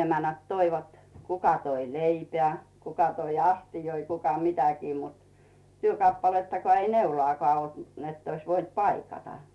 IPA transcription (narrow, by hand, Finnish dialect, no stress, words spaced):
emænæt toiʋɑt kukɑ toi leipĕæˑ kukɑ toi ɑstijoi kukɑ mitækiː mut tyøkɑpːɑletːɑkŏɑˑ ei neulŏɑˑkŏɑˑ olt netː ois ʋoint pɑikɑtɑ